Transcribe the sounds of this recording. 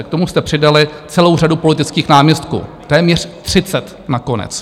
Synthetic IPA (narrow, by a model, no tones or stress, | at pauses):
k̚t̪o̞must̪ɛpr̝̥ɪdalɪt͡sɛlowradupo̞lɪt̪ɪt͡skiːxnaːmɲɛst̪kṵːt̪ɛːmɲɛr̝̥t̪r̝̥ɪt͡sɛt̪ | nako̞nɛ̰t͡s